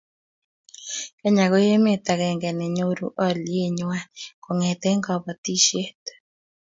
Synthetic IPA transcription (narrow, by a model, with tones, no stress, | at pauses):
ka˦ɲa˨ɡo˦je˦me˦t̪a˨ɡɛ˨ŋɡɛ˨nɛ˨ɲo˦ɾṵ˨˦ʔɔ˦lje˦ɲwa˦ko˨ŋɛ˨t̪ɛ˦ŋɡɔ˨bɔ˨t̪i˦ʃje˦t̪